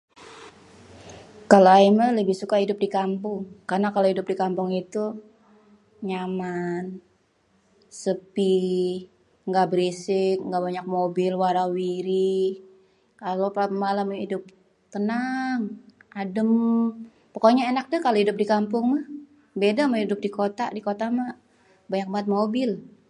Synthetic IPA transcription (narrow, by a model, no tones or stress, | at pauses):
kaloaimaləbɪhsukaɦidʊp̚dikampʊŋkarnakalohidʊp̚dikampʊŋit̪u | ɲaman | səpi | ŋɡabəɾisɪk̚ŋɡaʔbaɲak̚mobɪlwaɾawiɾi | kalopamalamidʊp̚ | t̪ənaŋadəm | pokoɲaenak̚dəkalohidʊp̚dikampʊŋmah | bedamaidʊp̚dikot̪aʔdikot̪ama | baɲak̚mat̪̚mobɪl